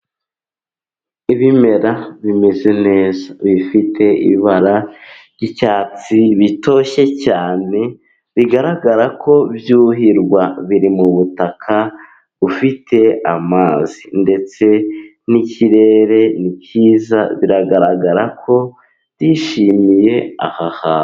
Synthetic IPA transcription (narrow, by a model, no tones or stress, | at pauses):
iβime̞ɾaβimeze̞ne̞ːzaβifitʰe̞ḭβaɾaɾɟicaːt͡siβito̞ʃe̞caːne̞ | βiɡaɾaɡaɾakʰo̞bjuːɦiɾɡwaβiɾimuβutakʰa | ufitʰe̞amaːzinde̞t͡se̞ | niciɾe̞ɾe̞nicʰiːza̰βiɾaɡaɾaɡaɾakʰo̞̥ | jiʃimije̞a̰haha